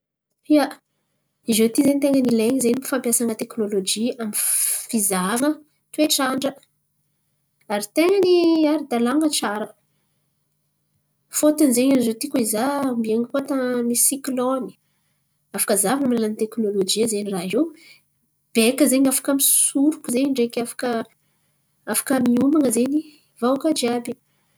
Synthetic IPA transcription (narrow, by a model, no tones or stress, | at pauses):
ia | izet̪izenit̪eŋɡənileɲizenimifampjasaŋət̪eknolod͡ʒiamifizavə | t̪ueʈ͡ʂaɳɖ͡ʐə | aɾit̪eŋəniaɾid̪alaŋɡəʈ͡ʂaɾə | fot̪ənizeɲanizowt̪ikoizambieŋipot̪amisikloni̥ | afḁkəzavanəmlalanit̪eknolod͡ʒiəzeniraɦe | b̥ekəzeɲafḁkəmisuɾukuzeɲiɳɖ͡ʐekʲafḁkə | afḁkəmiumaŋəzeɲi | vawkad͡ʒiabi